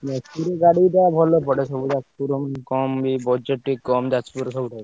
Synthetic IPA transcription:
nɛsuɾeɡaɽiʈabʱɔlopɔɽeʃɔbud͡ʒat͡ʃpuɾomkɔmbibɔd͡ʒeʈʈːikkːɔmd͡ʒat͡ʃpuɾosɔbuʈʰa

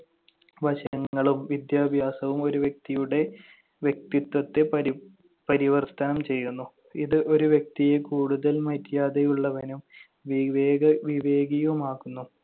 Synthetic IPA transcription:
ʋɐɕɐɐŋːɐɭumʋid̪jaːbʱjaːsɐʋumo̞ɾuʋjek̚t̪ijuɽe̞ | ʋjek̚t̪it̪wɐt̪ːe̞ɐ | pɐɾiʋɐrt̪ɐnɐmt͡ɕe̞jːunːu | iðɨʔo̞ɾuʋjek̚t̪ijekuːɽuðɐlmɐtːjaːðejuɭːɐʋɐnum | ʋiʋeːɡɐʋiʋe̞ːɡijɐumaːɣunːu

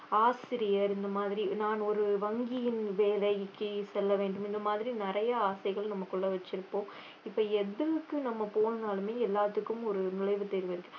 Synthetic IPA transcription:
aːsɪɾɪjɐɾɪnd̪ɐmaːðɪɾinaːnɔɾɯʋɐŋɡɪjɪnʋeːlɐjɪkːɯsɛlːɐʋeːɳɖɯmɪnd̪ɐmaːðɪɾinɪɾɐjɐaːsɐɪɣɐɭnɐmːɐkɔɭːɐʋɐt͡ʃːɪɾɯpːõː | ɪpːɐɛðɯʋɯkːɯnɐmːɐpoːnɐnaːlɯmeːɛlːaːt̪ːɯkːɯmɔɾɯnʊlɐɪʋɯt̪ːeɾɯʋɐɪɾɯkːɯ

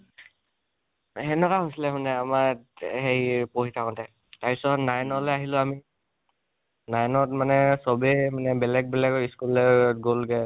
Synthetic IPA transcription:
ɛnɔkaɦojsilɛmanɛamahejpoɦitʰakɔntʰa | taɹpisɔnajnɔlɛaɦilʊ̃ami | najnɔt̚manɛsɔbɛmanɛbɛlɛɡ̚bɛlɛɡɔiskulɛɹɡolɡɛ

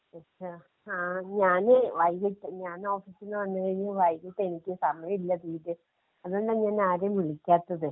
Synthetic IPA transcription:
ɐtt͡ɕːa | aːɲaːneʋɐjɡiʈːɨɲaːno̞ːfiːsinːɨʋɐnːɨɣɐjiɲuʋɐjɡiʈːe̞nikʲːɨsɐmɐjɐmilːɐðiːðɨ | ɐðoɳɖɨɲaːnaːɾemʋiɭikʲːaːt̪ːɐðɨ

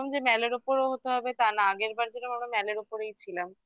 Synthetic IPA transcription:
omd͡ʑemɛleɾupoɾoɦot̪eɦɔbet̪anaaɡeɾbaɾd͡ʑenomamɾamɛleɾupoɾejt͡ɕʰilam

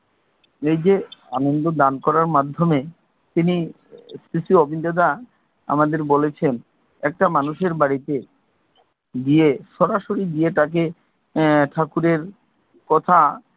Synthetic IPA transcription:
ejd͡ʑeanond̪od̪ankɔɾaɾmad̪ʱːome | t̪ini | sisiobind̪ad̪a | a̰mad̪eɾbolet͡ɕʰen | ɛk̚ʈamanuʃeɾbaɽit̪e | d̪ieʃɔɾaʃoɾid̪ieʈ̪ak̬e | ʈʰakuɾeɾ | kɔt̪ʰa

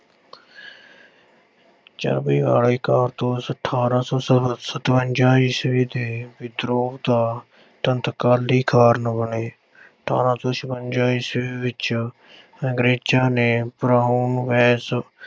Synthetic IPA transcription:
t͡ʃa̰ːɾbiːɡa̰ːɽiːkaːɾt̪õːsəʈʰːaːɾãːsɔːsəsət̪ʋəɲd͡ʒaːiːsʋiːd̪eːbɪd̪ɾoːbd̪aː | t̪ənt̪kaːlːiːkʰaːɾnə̃bəneː | ʈʰa̰ːɾãːt̪õːʃəbəɲd͡ʒaːiːsiːʋɪt͡ʃ | ə̃ɡɾeːd͡ʒaːneːpɾaːɦuːnʋɛːs

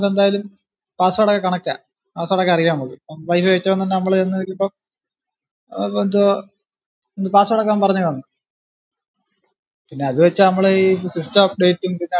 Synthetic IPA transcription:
lend̪aːjalum | paːsɐʋɐɽɐkːɐkːɐɳɐkːa̰ː | paːsʋɐɽɐkːaɐrikːamɐmukːɨoʋɐjfɨʋet͡ɕːɐpːɐnːɐnːenɐmːɐɭenːenikʲːilipːo | nd̪o | ond̪ɨpaːsuʋɐɽɐkːaːmpɐrɐɲːuʋɐnːu | pinːe̞ɐðɨʋet͡ɕːɐnɐmːɐɭeisistɐɐp̚ɖe̞ːtːumpinːe

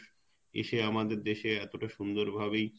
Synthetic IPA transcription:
ḛʃeamad̪eɾd̪eʃeɛt̪oʈaʃund̪oɾbʱabej

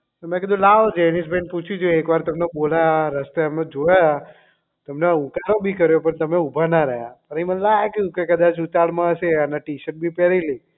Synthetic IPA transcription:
t̪omɛ̃kid̪ũlaʋod͡ʒenisbʱẽnput͡ʃʰid͡ʒoeekʋaɾt̪əmnebolajaɾəst̪eəmed͡ʒojaja | t̪əmnaũkaɾobʱikəɾjopəɳt̪əmeubʱanaɾəɦjapəɾimə̃nlaɡjũkekəd̪at͡ʃut̪aɽmãəʃeənaʈiʃəʈ̚bʱipɛɾili

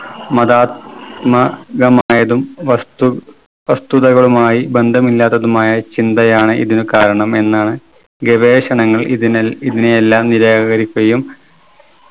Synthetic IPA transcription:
mɐðaːt̪̚mɐɣɐmaːjɐðumɐ | ʋɐst̪uðɐɣɐɭumaːjibe̞nd̪ʱɐmilːaːt̪ːɐðumaːjɐt͡ɕind̪ɐjaːɳɨiðinɨkaːɾɐɳɐme̞nːaːɳɨ | ɡeʋeːɕɐɳɐŋːɐɭiðineelːaːmniɾaːɐɣɐɾikʲːɐjum

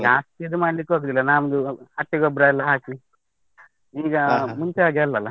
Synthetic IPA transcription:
ɡaːst̪ied̪umaːɽlikːɦoːɡd̪ilːɐnaːmɐd̪uɐʈːiɡɔbɾaːɐlːɐɦaːki | iːɡɐmuɲt͡ʃeaːɡalːɐlːɐ

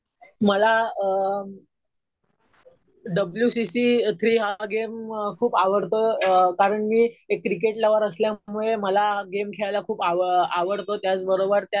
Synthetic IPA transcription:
məla | ɖəbljusisiːt̪ʰɾiːɦaɡemkʰuːpaʋəɽt̪okaɾəɳmiːekːɾik̬eʈlaʋəɾəsljamuɭeməlaɡemkʰeɭajlakʰuːpaaʋəɽt̪ot̪jat͡sbəɾobəɾt̪ja

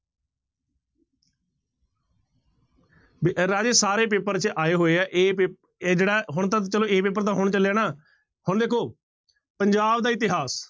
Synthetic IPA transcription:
bɾaːd͡ʒeːsaːɾeːp̬eːpəɾt͡ʃʔaːeːɦoːeːaːʔeː | d͡ʒeːɽaːɦʊɳt̪ãːt͡ʃəlõːeːpeːpəɾt̪ãːɦʊɳt͡ʃəlaːnaː | hʊɳd̪eːkʰoː | pəɲd͡ʒaːbd̪aːɪt̪ɪɦaːs

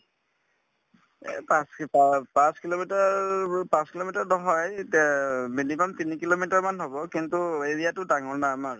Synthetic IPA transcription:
ɛ̰paspapãskilomitapãskilomitaɹdɔɦɔjtmilimamtinikilomitaɹmanɦobɔkintueɹijatʊdaŋɔɹnaamaɹ

